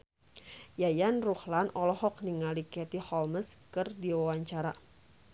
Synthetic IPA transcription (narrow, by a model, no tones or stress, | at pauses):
jajanruhlanɔlɔhɔk̚niŋalikɛt̪ihɔlməskɨrdiwawaɲt͡ʃaɾa